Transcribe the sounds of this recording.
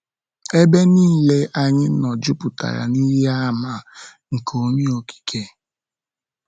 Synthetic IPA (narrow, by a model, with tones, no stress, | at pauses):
e˦be˦niː˦˨le˦ʔa˦ɲɪ˦nɔ˨d͡ʒʊ˦pʊ˨ta̰˨ɾa̰˨ni˦ɾi˦a˦˨ma˦˨ | ŋ̩˨kʰo˨ɲi˦o˨ki̥˨kʰe˦